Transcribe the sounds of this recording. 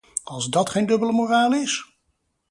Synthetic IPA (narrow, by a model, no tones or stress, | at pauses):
ɑlˠzdɑtχejndɵbələmoraːlˠɪs